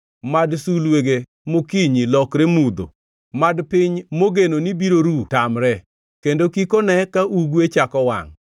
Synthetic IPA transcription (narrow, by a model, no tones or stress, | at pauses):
madsulweɡe | mokiɲilɔkɾemud̪o̰ | madpɪɲmoɡenonibiɾoɾutamɾɛ | kendokikonɛkaʔuɡwet͡ʃakɔwa̰ŋ